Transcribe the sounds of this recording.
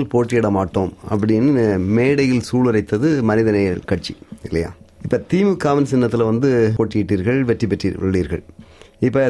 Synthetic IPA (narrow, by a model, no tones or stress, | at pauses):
lpoːʈːɪjɛɽɐmaːʈːoːmɐ̰pːɐɽɪjnːɯmeːɽɐjɪlsuːlɯɾɐɪt̪ːɐðɯmɐnɪðɐnɐjɐlkɐʈ̚t͡ʃːiɪlːɐja̰ːɪpːɐːt̪iːmɯkaːʋɐnsɪnːɐt̪ːɪlɐʋɐnd̪ɯpoːʈːɪjɪʈːiːɾɣɐɭʋɛʈrip̬ːɛʈrḭːʋɐ̰ɭːiːɾɣɐ̰ɭɪpːɐ